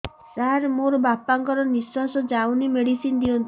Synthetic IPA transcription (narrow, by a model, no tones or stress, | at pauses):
saɦɾemoɾɔbapaŋkɔɾɔniswasɔd͡ʒawnimeɽisind̪iɔnt̪